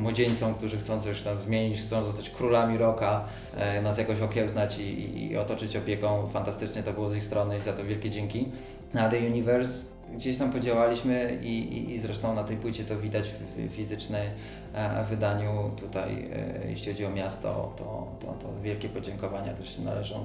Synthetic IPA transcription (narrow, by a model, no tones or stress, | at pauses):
mwɔd͡ʑeɲʲt̪sɔ̃w̃k̚t̪uʐɘxt̪sɔ̃w̃t̪sɔɕt̪awzmʲjeɲit͡ɕxt̪sɔ̃w̃zɔst̪at͡ɕkɾulamʲiɾɔka | nas̬jakɔ̃ɕ̬ɔkʲɛwznat͡ɕḭḭɔ̰t̪ɔt͡ʂɘt͡ɕɔpʲjekɔ̃w̃fant̪ast̪ɘt͡ʂɲɛt̪ɔbɘwɔzixst̪ɾɔnɘizat̪ɔvʲjɛlkʲɛd͡ʑɛŋkʲi | nad̪ɛjuɲivɛɾs | ɡd͡ʑeɕt̪ampɔd͡ʑawalʲiɕmɘiḭzɾɛʂt̪ɔ̃w̃nat̪ɛjpwɘt͡ɕɛt̪ɔvʲid̪at͡ɕfʲizɘt͡ʂnɛj | vɘd̪aɲut̪ut̪a̰jjɛ̰ɕlʲixɔd͡ʑiɔmʲjast̪ɔ̰t̪ɔ̰t̪ɔ̰t̪ɔ̰vʲjɛlkʲɛpɔd͡ʑɛŋkɔvaɲa̰t̪ɛʂɛna̰lɛʐɔ̃